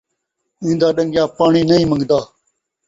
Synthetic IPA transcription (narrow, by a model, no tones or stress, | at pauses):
ĩːd̪aːɗəŋɡjaːpaːɳiːnəĩːmə̃ŋɡd̪aː